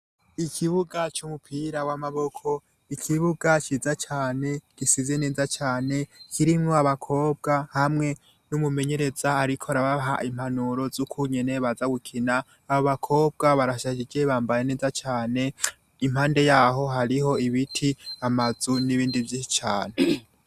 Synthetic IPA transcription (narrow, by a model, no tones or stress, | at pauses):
ikʰiβuɡat͡ʃumupʰiɾawamaβo̞kʰo̞ | ikʰiβuɡat͡ʃizat͡ʃaːne̞ɡ̥isize̞ne̞ːzat͡ʃaːne̞kʰiɾimŋo̞aβakʰo̞ːb̚ɡahamŋe̞ | numume̞ɲe̞ɾe̞zaːɾikʰo̞aɾaβaɦa̰ʔim̥hanuɾo̞zukʰuɲene̞βazaɡukʰinaː | βoβakʰo̞ːb̚ɡaβaɾaʃad͡ʒid͡ʒe̞βaːmbajene̞ːzat͡ʃaːne̞ | imhaːnde̞jaːɦo̞ɦaɾiɦo̞iβitʰiamazuniβiːndivjiit͡ʃaːne